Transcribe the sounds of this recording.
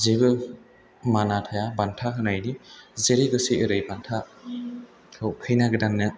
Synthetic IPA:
zebɯ | manatʰajabantʰaɦɯnajnizeɾiɡɯsiɯɾɯjbantʰa | kʰɾɔwpʰɯjnaɡɯdanːɯ

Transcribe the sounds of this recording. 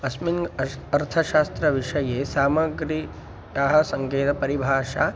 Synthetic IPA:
ɐsmiŋɡɐɾt̪ʰɐʃaːst̪ɾɐʋiʂɐjeːsaːmɐɡɾi | aɦɐsɐŋkeːt̪ɐpɐɾibʱaːʃaː

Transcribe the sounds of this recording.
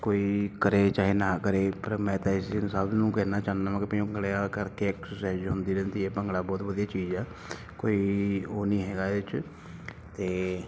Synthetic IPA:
koːiːkəɾeːt͡ʃaːɦeːnaːkəɾeːpəɾmɛ̃ːt̪ãːɪsɪnsaːbnũːkɛːnaːt͡ʃãːnd̪aːmãːkɪpə̃õəɡɽeaːkəɾkeksʊsɛːd͡ʒɦʊ̃nd̪iːɾɛ̃nt̪ieːpəŋɡɽaːbɔːt̪ʋəd̪ijaːt͡ʃiːd͡ʒɛː | koːiːoːnĩːɦɛːɡaːeɪt͡ʃ | t̪eː

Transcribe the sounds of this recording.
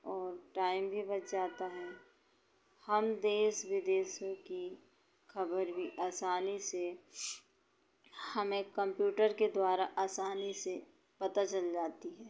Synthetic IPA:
ɔːɾʈaːɪmbʱibɐt̪d͡ʒaːt̪aɦɛ̃ | hɐmd̪eːsʋɪd̪eːʃõki | kʰɐbəɾbʱiʔaːsaːnise | hɐmẽkɐ̃mpjuːʈəɾked̪waːɾaʔaːsaːnise | pɐt̪at͡ʃəld͡ʒaːt̪iɦɛː

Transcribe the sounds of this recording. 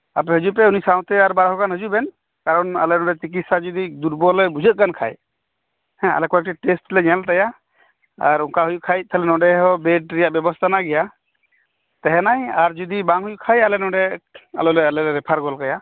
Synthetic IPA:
apɛɦəd͡ʒup̬ɛunisaw̃t̪ɛaɾbaɾaɦɔkanɦəd͡ʒubɛn | kaɾɔna̰lɛnɔ̃ɖɛt͡ʃik̬it̪sad͡ʒud̪id̪uɾbɔlɛbud͡ʒʱət̪̚kankʰa̰j | hɛ̃a̰lɛkɔjak̚ʈiʈesʈlɛɲɛlt̪aja | aɾuŋkaɦujukʰajt̪̚t̪ʰɛlɛnɔɖɛɦɔbeɖɾɛjaʔbjɛbɔst̪ʰanaɡɛja | t̪ɛɦɛnajaɾd͡ʒud̪ibaŋɦujukʰajalɛnɔ̃ɖɛa̰lɔlɛalɛɾɾɛpʰaɾɡɔlkaja

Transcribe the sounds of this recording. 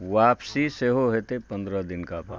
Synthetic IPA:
ʋaːpsiseːɦoɦɛːt̪epə̃nd̪ɾəd̪ɪnkapa̰ː

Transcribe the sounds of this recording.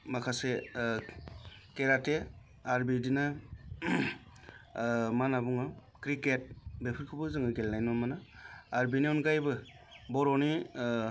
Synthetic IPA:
makʰase | keɾate | aɾbidina | manabuŋɯ | kɾiket̚bepʰɯɾkʰɯbɯzɯŋɯɡelnajnɔmanaːɾbiniunɡajbɯ | bɔɾɔni

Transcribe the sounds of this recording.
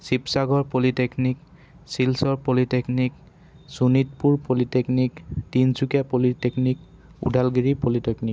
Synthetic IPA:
sipsaɡɔɹpoliteknik | silsɔɹpoliteknik | sunit̚puɹpolitekniktinsukapoliteknik | ṵdʱalɡeɹipoliteknik

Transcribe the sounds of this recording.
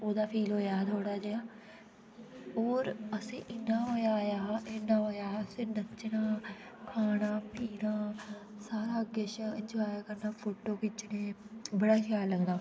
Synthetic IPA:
oːd̪aːpʰiːlɦoːjaːt̪ʰoːɽaːd͡ʒeːaː | oːɾəsḛ̃ːʔɪnːaːɦoːjaːjaːʔɪnãːɦoːjaːəsẽːnət͡ʃɽãː | kʰaːɽãːpʰiːɾãː | saːɾaːəɡeːʃɪ̃ɲd͡ʒaːjaːkəɾnaːpʰoːʈoːkɪt͡ʃɽeːbəɽaːkʰjaːlːəɡnaː

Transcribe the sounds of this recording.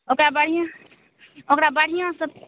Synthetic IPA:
okɾabəɽ̤ijã | okɾabəɽ̤ijãsəb̚

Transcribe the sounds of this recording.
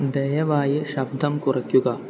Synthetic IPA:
d̪ɐjɐʋaːjiʃɐb̚d̪ʱɐmkuɾɐkjuɡɐː

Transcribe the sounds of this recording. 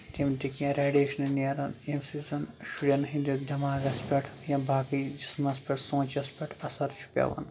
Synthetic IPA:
t̪imt̪ikiẽɾeːɖeʃɐnɐneɾɐnemsizɐnʃuɽʲjɐnɦĩnd̪id̪ʲɐmaːɡɐspʲɐʈʰjɐ̃baːkid͡ʒismɐspʲɐʈʰsõːt͡ʃɐspʲɐʈʰɐsɐɾt͡ʃʰu̥pʲɐ̰ʋɐ̰n

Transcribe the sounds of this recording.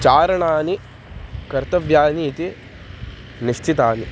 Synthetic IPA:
t͡ʃaːɾɐɳaːni | kɐɾt̪ɐʋʱjaːniːt̪i | niʃt͡ʃʰit̪aːni

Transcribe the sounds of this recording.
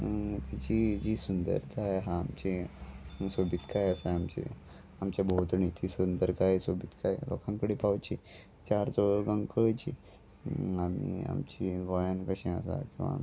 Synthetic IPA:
t̪at͡ɕid͡ʑisund̪ə̰ɾt̪ajɦãːmt͡ɕe | sobʱit̪kajəsaamt͡ɕḛ | amt͡ɕabʱout̪nit̪ʰisund̪əɾkajsobʱit̪kajlo̰kãŋkəɽipawt͡ɕi | t͡ɕaɾd͡zɔɾɡãŋɡkəɭt͡ɕi | amia̰mt͡ɕiʋəjankəɕẽə̰sa̰kĩw̃ʋa̰m

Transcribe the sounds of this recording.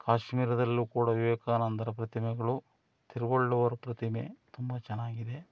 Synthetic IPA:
kʰaːʃmiːɾɐd̪ɐlːuːkuːɽɐʋiʋɛːkaːnɐnt̪ɐɾɐp̬ɾɐt̪imɛɡɐɭu | t̪iɾʋoɭːuʋɐɾɐpɾɐt̪imḛt̪umbɐt͡ʃɛnːaːɡid̪e̞

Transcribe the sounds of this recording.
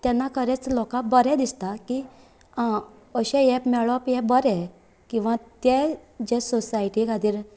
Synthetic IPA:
t̪ɛ̃nːakʰəɾɛt͡slɔkãbəɾɛ̃d̪ist̪aki | əɕɛ̃jɛpmɛɭɔpjɛ̃bəɾɛ | kĩw̃ʋãt̪ɛd͡ʑɛsɔsaiʈikad̪iːɾ

